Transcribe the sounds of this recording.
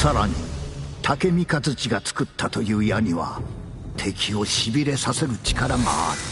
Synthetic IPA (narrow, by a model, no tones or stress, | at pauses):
saɾaɲ̟ḭt̪ʰake̞mʲikad͡zɨt͡ɕiɡat͡sɨ̥kɯ̟t̪ʰːat̪o̞jɯ̟ːijaɲ̟iβa̰ | t̪ʰe̞kʲio̞ɕibʲiɾe̞sase̞ɾɯ̟t͡ɕi̥kaɾama̰a̰ɾi̟